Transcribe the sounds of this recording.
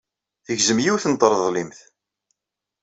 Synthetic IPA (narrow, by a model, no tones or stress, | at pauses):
θəʝzəmjiwθnt̪ˤːəɾˤðˤlimθ